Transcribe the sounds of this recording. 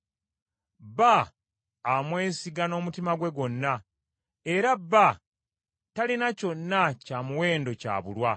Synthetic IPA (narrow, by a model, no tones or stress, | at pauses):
baː | mwe̞ːsiɡano̞ːmutimaɡwe̞ɡo̞nːa | e̞ɾabːa | talinaco̞nːacaːmuwe̞ːndo̞ca̰ːβṵlwa